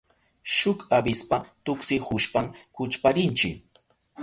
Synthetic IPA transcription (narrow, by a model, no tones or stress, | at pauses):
ʃʊkabɪspat̪ʊksɪhʊʃpamkʊt͡ʃpaɾɪnt͡ʃɪk